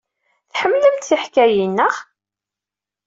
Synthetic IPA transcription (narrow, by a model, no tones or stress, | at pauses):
θħəmːləmt̪iħkæjinːəʁ